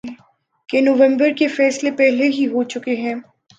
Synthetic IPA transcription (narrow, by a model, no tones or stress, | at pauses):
kenoːʋə̃mbəɾkefɛːslepɛɦleɦiɦot͡ʃʊkeɦɛ̃ː